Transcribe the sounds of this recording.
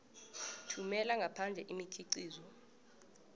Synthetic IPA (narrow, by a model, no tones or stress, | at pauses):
tʰumɛlaŋɡʱapʰand͡ɮʱɛʔimikʰiǀiːzɔ